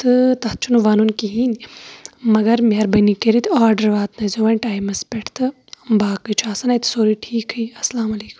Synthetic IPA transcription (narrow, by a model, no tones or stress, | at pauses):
t̪ɨt̪ɐh̚t͡ʃʰunuʋaːnunkiɦiːn | mɐɡɐɾmʲɐɾbɐnikeɾit̪ʰaːɾɖɐɾʋaːt̪nɐjzoːʋɐnʈaːjmɐspʲeʈʰt̪ʰɨ | baːkɨt͡ʃʰaːsɐnɐjt̪ʰɨ̥soːɾiʈʰiːkhɐjɐslaːmɐleːkum